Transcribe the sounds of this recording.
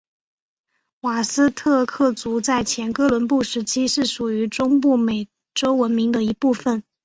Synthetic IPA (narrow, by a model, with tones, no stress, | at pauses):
wa˨˩sɹ̩˥t̪ʰɤ˥˧kʰɤ˥˩t͡su˧˥t͡sa˥˩ɪt͡ɕʰjɛ˧˥nkɤ˥lwə˧˥npu˥˩ʂɻ̩˧˥t͡ɕʰi˥ʂɻ̩˥˩ʂu˨˩y˧˥ʈ͡ʂʊ˥ŋpu˥˩me˨˩ɪ | ʈ͡ʂo˥ʊwə˧˥nmi˧˥ŋd̪ə˧i˧˥pu˥˩fə˩n